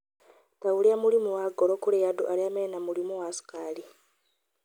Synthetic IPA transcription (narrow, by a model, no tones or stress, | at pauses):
tawuliamulimuwaɡolokulejaduʔaliamenamulimuwasu̥kali